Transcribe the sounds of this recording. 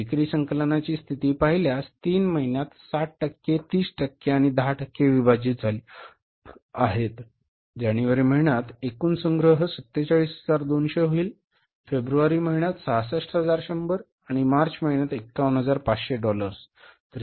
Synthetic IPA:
ʈikɾiːsəŋkələnat͡ɕiːst̪ʰit̪iːpaɦiljast̪iːnməɦinjat̪saʈ̚ʈəkːet̪iːsʈəkːeaɽ̃id̪əɦaʈəkːeʋibad͡ʑiːt̪̚d͡zʱaliː | aɦet̪ | d͡ʑaɽ̃iʋəɾim̤əɭɳjat̪ekuːnsəŋɡɾəɦəsət̪ːet͡ɕaɭiːsɦəd͡zaɾd̪onɕeɦoiːl | febɾuʋaɾiːməɦiɳjat̪sasəʂʈɦəd͡zaɾɕəmbəɾ | aɽ̃imaɾt͡ɕməɦinjat̪ekːaʋənɦəd͡zaɾpat͡sɕeɖɔləɾst̪əɾi

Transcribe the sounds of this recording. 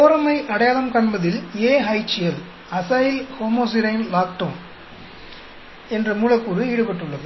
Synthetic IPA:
oːɾɐmɐɪʔɐɽɐjaːlɐmkɐɳbɐðɪleːɦɐɪt͡ʃːɪjɐl | ɐsaːjɪlhoːmoːs̬ɪɾɐɪnlaːk̚ʈom | ɛndrɐmuːlɐkːuːɾɯiːɽɯpɐʈːɯɭːɐðɯ

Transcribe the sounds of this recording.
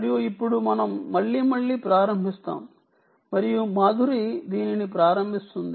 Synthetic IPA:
ɐɾijuipːuɽumɐnɐmːɐɭːiːmɐɭːiːpɾaːɾɐmbʱist̪a̰ːm | mɐɾijumaːd̪ʱuɾid̪iːninipɾaːɾɐmbʱist̪und̪i

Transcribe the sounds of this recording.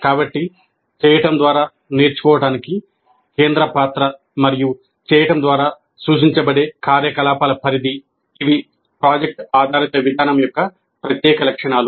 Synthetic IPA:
kaːbɐʈːi | t͡ʃɛːjɐʈɐmd̪ʋaːɾaː | neːɾt͡ʃu̥kɔːʋɐʈaːniki | keːnd̪ɾɐpaːt̪ɾɐ | mɐɾiju | t͡ʃɛːjɐʈɐmd̪ʋaːɾaː | suːʃiɲt͡ʃɐbɐɽeːkaːɾjɐkɐlaːpaːlɐpʰɐɾid̪iː | ʋi | pɾaːd͡ʒek̚ʈaːd̪ʱaːɾit̪ɐʋid̪ʱaːnɐmjɔkːɐ | pɾɐt̪jɛːkɐlɐkʂɐɳaːlu

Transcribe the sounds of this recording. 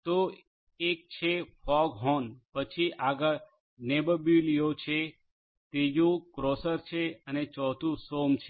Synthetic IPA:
t̪o | ek̚t͡ʃʰefʰɔɡɦɔnpət͡ʃʰiʔaɡa | nebəbilijot͡ʃʰe | t̪ed͡ʒũkɾosəɾt͡ʃʰeənet͡ʃɔt̪ũsomt͡ʃʰe

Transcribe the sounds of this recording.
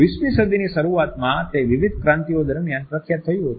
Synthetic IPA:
ismisəd̪inisəɾuat̪mãt̪eʋiʋid̪ʱkɾãnt̪iod̪əɾmjanpɾəkʰjat̪ʰːəjiɦət̪u

